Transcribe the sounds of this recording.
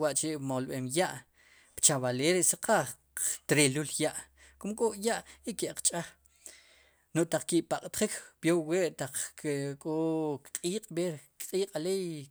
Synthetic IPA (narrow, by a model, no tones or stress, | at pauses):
waʔt͡ʃeʔmolɓeːmjaʔ | pt͡ʃaβaleːɾeʔsaqaχ | t̪ɾeluljaʔ | kumkʼoʔjaʔikeʔqt͡ʃʼaχ | noʔt̪aq͡χkiʔpaqʼt̪χikb̥jowweʔt̪aq͡χkʼokqʼiːqʼɓeɾkqʼiːqʼalej